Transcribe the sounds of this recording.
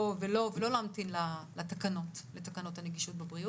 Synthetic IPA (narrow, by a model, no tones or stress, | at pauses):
velo̞velo̞laːmtinlalatakano̞tletakano̞thaneɡiʃot̚bebʁi